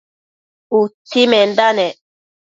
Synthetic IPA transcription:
utimɛndanɛ

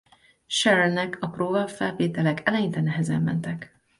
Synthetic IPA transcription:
ʃɛɾɛlnɛkʰɒproːvɒfɛlveːt̪ɛlɛkʰɛlɛjint̪ɛnɛɦɛzɛ̰mːɛ̰nt̪ɛk

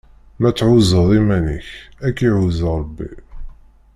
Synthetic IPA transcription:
mæt͡sːʕuzəðˤimænḭçækːiʕuzɾˤəbːḭ

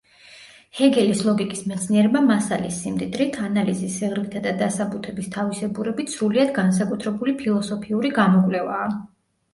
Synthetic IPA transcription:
hɛɡɛlislˠɔɡikʼismɛt̪sʰniɛɾɛbamasalisːimd̪ʼid̪ɾit̪ʰanalizisiʁɾlit̪ʰad̪ad̪asabut̪ʰɛbist̪ʰavisɛbuɾɛbit̪ʰsɾuliad̪ɡansakʼut̪ʰɾɛbulipʰilˠɔsɔpʰiuɾiɡamɔkʼlɛvaː

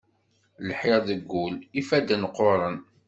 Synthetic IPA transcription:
lħeʁðəɡːulifæd̪ənəqːoɾˤən

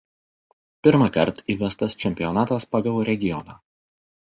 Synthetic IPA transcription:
pʲɪɾmɐkɐɾt̪iːʋʲɛst̪ɐst͡ʃʲɛmʲpʲɪjɔnɑːt̪ɐspɐɡɐlˠɾʲɛɡʲɪjɔnɑ

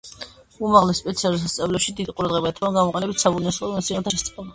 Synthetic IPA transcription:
umaʁlɛspʼɛt̪sʰialus̬ast̪sʼavlɛpʃid̪id̪qʼuɾad̪ʁɛbaɛt̪ʰabaɡamɔqʼɛnɛbit̪ʰsabunɛsɔmɔt̪sʰiʁɛt̪ʰaʃɛst̪ʼɛba

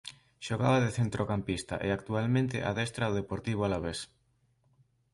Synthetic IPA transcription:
ʃoɣaβaðeθent̪ɾʔokampist̪a̰ʔeakt̪ualmẽnt̪ɪ̰ʔa̰ðɛst̪ɾawð̞epoɾt̪iβ̞oalaβes

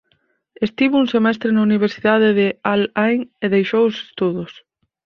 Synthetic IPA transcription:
est̪iβouŋsemɛst̪ɾenauniβ̞eɾsiðað̞ɪðɪalajŋeðejʃowose̥st̪uðʊs

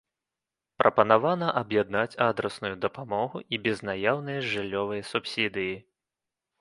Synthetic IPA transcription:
pɾʔɐpɐnavanɐʔɐbjɛd̪nat͡sʲad̪ɾɐsnujud̪ɐpamɔɣuʔibʲɛznajawnɐjɐʐɨlʲːɔvɐjɐsupsʲid̪ɨji

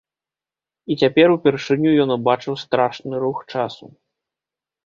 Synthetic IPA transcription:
it͡sʲapʲɛɾupʲɛrʂɨnʲujɔnubat͡ʂɨwst̪ɾaʂnɨɾuxt͡ʂasṵ

